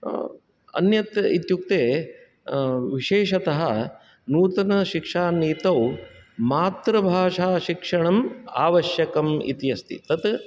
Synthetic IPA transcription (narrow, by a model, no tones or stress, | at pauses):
ɐ̰njɐt̪it̪juk̚t̪eː | ʋiʃeːʂɐt̪ɐɦɐ | nuːt̪ɐnɐʃikʂaːniːt̪ɐwmaːt̪ɾɐbʱaːʂaːʃikʂɐɳɐmaːʋɐʃjɐkɐmḭt̪jɐst̪ḭt̪ɐt̪